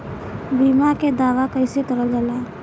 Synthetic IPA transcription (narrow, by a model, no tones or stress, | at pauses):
biːmaked̪aːʋakəɪset̪əɾəld͡ʒalaː